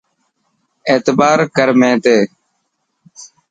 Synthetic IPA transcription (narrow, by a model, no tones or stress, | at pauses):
eːt̪baːɾkəɾmẽːt̪eː